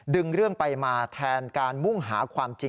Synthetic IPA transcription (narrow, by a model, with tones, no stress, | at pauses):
dɯ˧ŋɾɯ˥˩əŋpa˧jmaː˧t̪ʰɛː˧nkaː˧nmu˥˩ŋɦaː˩˦kʰwaː˧mt͡ɕi˧